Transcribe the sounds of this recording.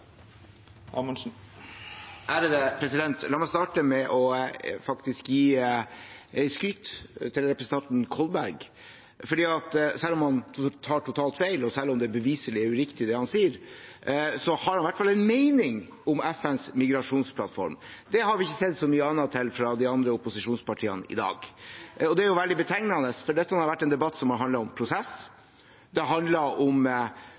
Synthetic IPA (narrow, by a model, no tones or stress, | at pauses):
ɑ̰mɔnʂn̩ | ʔæːɾəd̪əpʰɾɛsɪd̪ɛnt̪lɑːɾmɛst̪ɑːʈəmɛʔɔfɑkt̪ɪskjiː | ɛɪskɾʏt̪ːt̪ʰːɪlɾɛpɾəsn̩t̪ʰɑnt̪nkʰɔlbæɾɡ | fɔɖiːɑt̪sɛlːɔmhɑnt̪ʰɑːʈʰʊt̪ʰɑːlt̪feɪlɔsɛlːɔmd̪ɛbəʋiːsəɭɪæɾʉɾɪkt̪ɪd̪ɛhɑnsiːəɾ | sɔhɑɾhɑnʋæʈːfɑlːɛnmeɪnɪŋ | ɔmɛfɛnsmɪɡɾɑʂuːnspʰlɑt̪fɔ̰ɾmd̪ɛhɑɾʋɪɪçːəsɛd̪sɔmyːəɑnːɑt̪ʰːɪlfɾɑd̪iɑnd̪ɾəʊpʊsɪʂuːnspɑʈʰiːə̰nəɪ̰d̪ɑ̰ːɡɔd̪ɛæɾjʊʋɛld̪ɪbət̪ʰɛŋnɑnəsfɔɖɛt̪ːənhɑɾʋæʈːɛnd̪ɛbɑt̪ːsɔmhɑɾɦɑnd̪lɑɔmpʰɾʊsɛs | d̪ɛɦɑnd̪lɑɾɔm